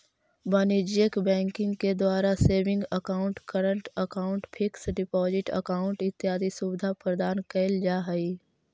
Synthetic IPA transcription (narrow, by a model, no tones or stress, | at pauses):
bəniːd͡ʒjəkbɛ̃ːŋkɪ̃ŋɡked̪waːɾaseːʋɪ̃ŋɡəkaːʊɳʈkəɾə̃ɳʈəkaːʊ̃ɳʈpʰɪksɖɪpɔːzɪʈə̰kaːʊ̃ɳʈɪt̪ːjaːd̪isubɪd̪ʱapɾəd̪aːnkɐɪld͡ʒaːɦɐi